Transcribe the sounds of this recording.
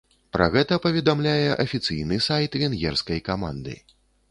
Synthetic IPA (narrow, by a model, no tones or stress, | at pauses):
pɾɐ̰ɣɛt̪ɐpɐvʲɛd̪amlʲajɛʔɐfʲit̪sɨjnɨsajt̪vʲɛnɣʲɛrskɐjkama̰nd̪ɨ̰